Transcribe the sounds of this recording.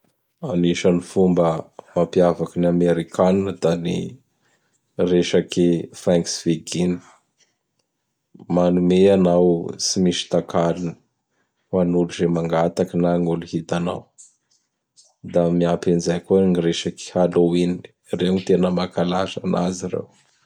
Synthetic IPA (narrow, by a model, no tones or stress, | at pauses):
aniʃənifumbəmapiavakinameɾikaninəd̪anḭ | reʃakifaŋksveɡini̥ | manumeanawsimiʃi̥t̪akalini̥ | manuluzemaŋɡat̪akinaŋuluhit̪ana̰w | d̪amiapinzajkunireʃaki̥haloinini̥ | reanit̪enəmakalaza̰nʔa̰ziɾḛw